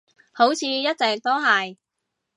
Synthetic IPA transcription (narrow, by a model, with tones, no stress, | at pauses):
ho˨˥wt͡sʰiː˨˧jɐ˥t̚t͡sɛː˨k̚t̪o˥ɦɐ˨j